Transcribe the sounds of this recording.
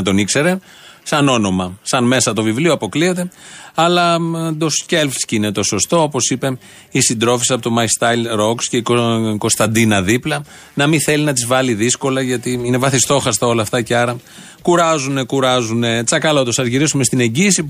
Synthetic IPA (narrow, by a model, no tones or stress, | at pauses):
t̪o̞nikse̞ɾe̞ | sɐno̞no̞mɐsɐnme̞sɐt̪o̞vivlioɐpo̞klie̞t̪e̞ɐlɐd̪osce̞lfscinet̪o̞so̞st̪o̞opo̞sipe̞ | isind̪ɾo̞fisɐpot̪o̞mɐist̪ɐlɾo̞ksce̞ikoko̞st̪ɐnd̪inɐðiplɐ | nɐmiθe̞linɐt̪izvɐliðisko̞lɐʝɐt̪iine̞vɐθist̪o̞xɐst̪ɐo̞lɐːft̪ɐceɐɾɐ | kuɾɐzune̞kuɾɐzune̞t͡sɐkɐlot̪osɐzʝiɾisume̞st̪ine̞ɲɟiːsi